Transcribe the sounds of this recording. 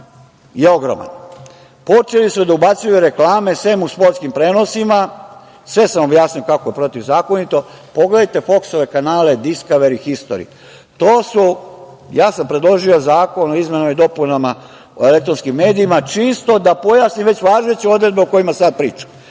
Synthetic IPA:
jeo̞ɡɾo̰ma̰n | po̞t͡ʃelismod̪aubat̪sujuɾe̞klaːmesʋemuspo̞ɾt̪skimpɾeːno̞sima | sʋe̞samo̞bjaːsnijo̞kakojepɾo̞t̪iʋzaːko̞nit̪o̞ | po̞ɡle̞d̪ajt̪e̞fo̞kso̞ʋe̞kanaːle̞d̪iskaʋeɾixist̪o̰ɾḭ | t̪oːsu | jaːsampɾed̪lˠo̞ʒio̞zaːko̞noizme̞namaid̪o̞punama | o̞ele̞kt̪ɾonskimːe̞ːd̪iːmat͡ʃist̪o̞d̪apo̞jaːsniʋe̞t͡ɕʋaːʒet͡ɕeo̞d̪ɾe̞d̪beoko̞jimasad̪̚pɾiːt͡ʃḁ

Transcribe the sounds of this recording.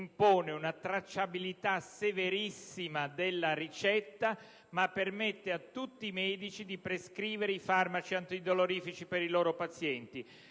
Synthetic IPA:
mpoːneunat̪ɾat͡ʃːabilit̪aseveɾisːimad̪elːarit͡ʃɛt̪ːa | mapːermɛt̪ːeat̪ːut̪ːiːmɛːd̪it͡ʃid̪ipɾeskɾiːveɾeifarmat͡ʃiant̪id̪oloɾiːfit͡ʃipeɾiloːɾopat̪sjɛnt̪i

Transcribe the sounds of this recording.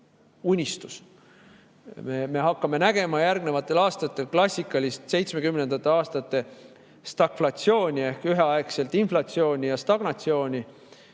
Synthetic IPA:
unʲist̪us | meme̞ɦɑkːɑme̞næɡ̥e̞mɑjærɡne̞vɑt̪ːˑe̞lɑːst̪ɑt̪ːˑe̞lklɑsʲːikːˑɑlʲist̪se̞jt̪sme̞kymnend̪̥ɑt̪ːˑe̞ɑːst̪ɑt̪ːˑe̞ | st̪ɑkflɑt̪sio̞ːnʲie̞hkyɦeɑekse̞lt̪inflɑt̪sio̞ːnʲijɑst̪ɑɡ̥nɑt̪sio̞ːnʲi

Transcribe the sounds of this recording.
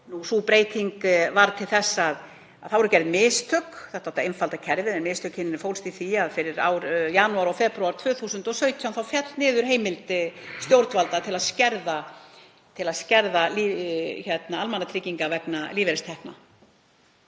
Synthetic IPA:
nusupɾeːjt̪ʰiŋkvaɾt̪ʰɪlθɛsːað | aðθawɛɾʏcɛɾvɪmɪːst̪ʰœkθɛht̪aht̪aejnfalt̪acʰɛɾvɪɛnmɪːst̪ʰœkcʰhɪnɪnɪɾfowlst̪iθiaðfɪɾɪɾa̰wɾjanuaɾawfɛːpɾuaɾ̥t̪ʰvœːθuːsʏnt̪ɔsœːɥt̪ʰjanθawfjɛt̪nɪːðʏɾ̥ɦeːjmɪlt̪ɪst̪jowɾt̪valt̪at̪ʰɪlaðscɛɾða | t̪ʰɪlaðscɛɾðaliçɛt̪naalmanat̪ʰɾɪciŋkavɛknaliːvɛɾɪst̪ʰɛhkna̰

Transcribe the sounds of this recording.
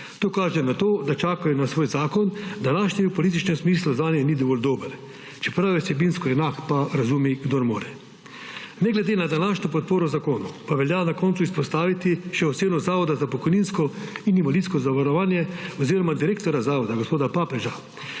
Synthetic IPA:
t̪oːkaːʒɛnat̪oːd̪at͡ʃaːkajɔnasʋoːjzaːkɔnd̪anaːʃnɛwpɔliːt̪̬it͡ʃnɛmsmiːsluzʋaːnjɛnid̪ɔʋoːld̪oːbəɾ | t͡ʃɛ̥pɾaːʋisɛbinskɔɛnakpaɾazuːmiɡd̪oɾmoːɾɛ | nɛɡlɛd̪eːnad̪anaːʃnɔpɔt̪̚poːɾɔzakoːnupaʋɛljanakɔːnt̪suispɔst̪aːʋit̪iʃɛɔt̪seːnɔzaːʋɔd̪azapɔkɔjninskɔinimaliskɔzaʋaɾɔʋaːnjɛɔziːɾɔmad̪iɾeːk̚t̪ɔɾazaːʋɔd̪aɡospoːd̪apaːpɛʒa

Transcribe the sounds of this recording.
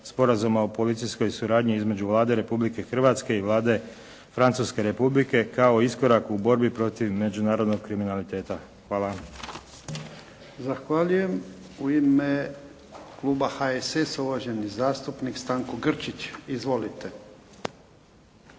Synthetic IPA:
spo̞ɾazumaopo̞lit̪sijsko̞jsuɾaːd̪ɲiizme̞d͡ʑuʋlˠaːd̪e̞ɾe̞publike̞xr̩ʋat̪ske̞iʋlˠaːd̪e̞ | fɾant̪suːske̞ɾe̞publike̞kao̞isko̞ɾakubo̞ɾbipɾo̞t̪iʋme̞d͡ʒunaːɾo̞d̪no̞ɡ̚kɾiminalit̪e̞ːt̪a | xʋaːlˠa | zaxʋaʎuje̞m | uime | klˠuːbaxaesesuʋaʒenizaːst̪upnikst̪aːŋkoɡr̩t͡ʃit͡ɕizʋo̞lit̪e

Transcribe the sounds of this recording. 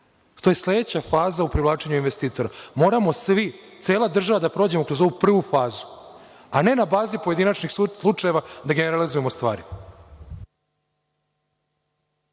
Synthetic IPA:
t̪oje̞slˠe̞d̪et͡ɕafaːzaupɾilˠaːt͡ʂe̞ɲuinʋest̪iːt̪o̞ɾamo̞ːɾamo̞sʋit̪seːlˠad̪r̩ʒaʋad̪apɾo̞d͡ʑemo̞kɾo̞zo̞ʋupr̩ʋufaːzu̥ | ane̞nabaːzipoje̞d̪inat͡ʃnixslˠut͡ʂaje̞ʋad̪aɡe̞ne̞ɾalizuje̞mo̞st̪ʋa̰ːɾi

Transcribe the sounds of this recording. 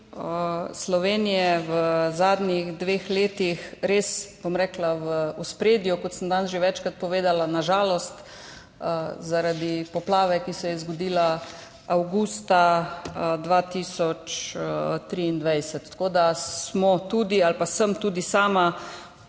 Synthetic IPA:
əslɔʋeːnijɛʋəzaːd̪niɣd̪ʋeːxleːt̪ixɾeːsb̥omɾɛːklaʋəuspɾeːd̪jukɔt̪sənd̪ansʒeʋɛt͡ʃkɾat̪̚pɔʋeːd̪alanaʒaːlɔst̪ | zaɾad̪ipɔplaːʋɛkisɛjɛzɡɔd̪iːla | awɡuːst̪a | d̪ʋaːt̪isɔt͡ʃ | t̪ɾiːnd̪ʋajsɛt̪ːḁkoːd̪asmɔt̪uːd̪ialpasəmt̪uːd̪isaːma

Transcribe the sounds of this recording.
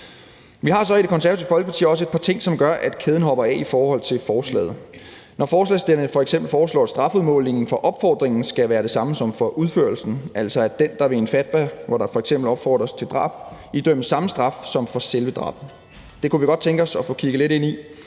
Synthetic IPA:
ʋiɦɑ̈sɒ̽id̥ɾe̝kʰɒ̽ns̬æɐsʰi̥fɒlɡ̥əpʰɑ̈t͡sʰḭːɒ̽səe̝d̥̚pʰɑ̈t͡sʰe̝ŋ̰sɒ̽mɡ̥ɶɐʔæd̥kʰeð̞ˠn̩ɦɒ̽b̥ɐɛ̰ifɒːhɒ̽l̰t͡sʰe̝lfɒːslɛ̰ːð̞̩ˠ | nɒfɒːslɛ̰ːsd̥e̝l̰fɒ̽eɡ̥sembl̩fɒːslɒ̰ːæ̥sd̥ʁɑ̈fuðˠmɔ̰̽ːlne̝ŋn̩fɒ̽ʔɒ̽b̥fɒ̰ːd̥ʁeŋn̩sɡ̥æʋæːɐɾ̥e̝sɑ̈məsɒ̽mfɒ̽ʔuðˠføɐlsn̩ʔæl̰sɒ̽æd̥end̥ɑ̈ʋe̝enfæd̥ʋæʋɒɾɑ̈fɒ̽eɡsem̰b̥l̩ɒ̽b̥fɒ̰ːd̥ʁɐst͡sʰe̝ld̥ʁɑ̈ːb̥id̥øm̰əsɑ̈məsd̥ʁɑ̈fsɒ̽mfɒ̽selʋəd̥ʁɑ̈ːb̥n | d̥e̝kuʋiɡ̥ɒ̽d̥̚t͡sʰeŋɡ̥ɒ̽sɒ̽fɔ̽ːkʰiɡ̥əle̝ɾe̝n̰i

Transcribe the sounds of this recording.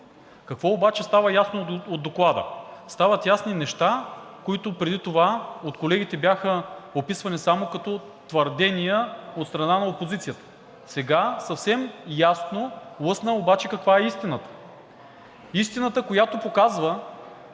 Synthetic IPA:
kɐkvɔobat͡ʃɛst̪avəjasnood̪ːoklˠad̪ə̰st̪avət̪jasninɛʃt̪akoit̪ʊpɾɛd̪it̪ovaot̪kolɛɡ̟ʲit̪ɛbjaxəopisvɐnisamokɐt̪ɔ | t̪vɐɾd̪ɛnijəot̪st̪ɾɐnanɐopozit̪sijət̪ə̥ | sɛɡasɐfsɛmjasnolˠɤsnəobat͡ʃɛkɐkvaɛist̪inət̪ə̥ | ist̪inət̪əkojat̪opokazvə

